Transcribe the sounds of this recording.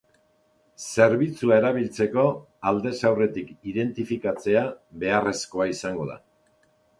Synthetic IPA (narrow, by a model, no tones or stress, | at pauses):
se̞ɾβit͡suae̞ɾaβilt͡se̞ko̞ | ald̪e̞sawre̞t̪ikiðe̞nt̪ifikat͡se̞aβe̞are̞sko̞aisaŋɡo̞ða̰